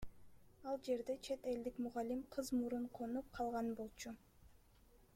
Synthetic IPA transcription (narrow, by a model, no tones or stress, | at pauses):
ɑlˠd͡ʒe̞ɾd̪e̞t͡ʃʰe̞t̪e̞ld̪ikmuʁɑlʲimqʰɯzmuɾuɴqʰonup̚qʰɑlˠʁɑnbo̞lˠt͡ʃʰu